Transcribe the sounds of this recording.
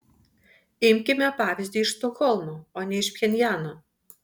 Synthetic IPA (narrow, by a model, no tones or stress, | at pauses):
ɪmʲkʲɪmʲɛpɑːʋʲɪzʲd̪ʲiːɪʃst̪ɔxɔlˠmoːoːnʲɛɪʃpʲxʲɛnʲjæːno